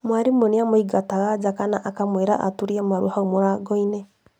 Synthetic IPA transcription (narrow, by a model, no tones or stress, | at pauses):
mwaɾimoniamoiɡataɣad͡ʒakanaʔakamweɾa̰ʔa̰tuɾiamaɾuhaumoɾaɡɔinɛ